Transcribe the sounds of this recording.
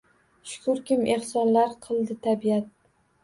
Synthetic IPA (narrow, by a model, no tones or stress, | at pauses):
ʃʊ̥kʰʊɾkʲɪmʔe̞hsɒnlaɾqʰɨlˠd̪ɪt̪ʰabijat̪̚